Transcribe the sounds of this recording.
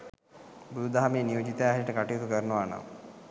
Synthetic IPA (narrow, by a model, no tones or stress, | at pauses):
bud̪ud̪aɦameːnijoːd͡ʒit̪jaɦiɾiʈəkaʈijut̪ukəɾnəʋaːna̰m